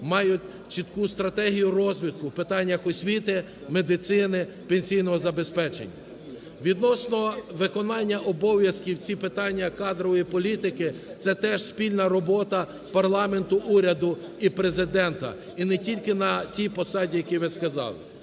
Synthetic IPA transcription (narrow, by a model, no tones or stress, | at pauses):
mɑjʊtʲ | t͡ʃit̪kust̪ɾɐt̪ɛɦijʊɾɔzʲʋʲid̪̚kʊwpɪt̪ɑnʲːɐxɔsʲʋʲit̪ɪ | med̪ɪt̪sɪnɪ | penʲsʲijnɔɦɔzɐbespɛt͡ʃḛnʲːɐ̰ | ʋʲid̪nɔsnɔʋɪkɔnɑnʲːɐʔɔbɔʋʲjɐskʲiwt͡sʲipɪt̪ɑnʲːɐkɑd̪ɾɔʋɔjipɔlʲit̪ɪkɪt̪sɛt̪ɛʒsʲpʲilʲnɐɾɔbɔt̪ɐ | pɐrlˠɑment̪ʊʔuɾʲɐd̪ʊipɾe̞zɪd̪ɛnt̪ɐ̰ | inɛtʲilʲkɪnɐt͡sʲijpɔsɑdʲijɐkʲiʋɪskɐzɑ̰lˠɪ̰